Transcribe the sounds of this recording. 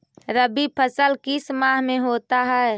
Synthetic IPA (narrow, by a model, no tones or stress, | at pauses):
ɾəbipʰəsəlkismaɦmeɦot̪aɦɛ